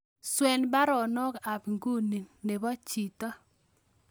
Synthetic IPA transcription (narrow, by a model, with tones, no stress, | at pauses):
swɛ˨nba˦ɾɔ˨nɔ˦ka˨bŋɡu˦ni˨nne˨bɔ˦t͡ʃi˨tɔ˦